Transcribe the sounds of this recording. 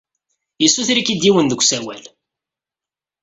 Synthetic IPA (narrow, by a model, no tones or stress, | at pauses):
jisːuθɾikid̪jiwənðəkʷːsæwæ̰l